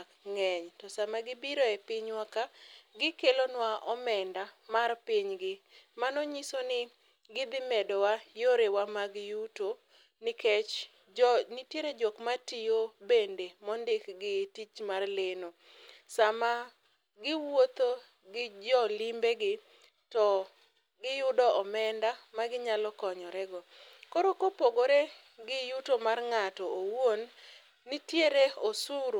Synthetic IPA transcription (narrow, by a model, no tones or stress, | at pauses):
kŋɛɲtɔsamaɡɪbiɾoɛpɪɲwakaɡɪkelonwaʔɔmɛndamarpiɲɡɪmanɔɲisonɪ | ɡɪd̪ɪmɛdɔwajoɾewamaɡjuto | nɪket͡ʃ | nɪtjeɾed͡ʒɔkmatijobendemɔndɪkɡɪtit͡ʃmarleno | sama | ɡɪwot̪o | ɡɪd͡ʒɔlimbeɡɪ | tɔ | ɡɪjʊdɔʔɔmɛndamaɡɪɲalɔkɔɲɔɾɛɡɔkoɾokopoɡoɾe | ɡɪjutomarŋatɔowwonː | ɪtjeɾeosuɾo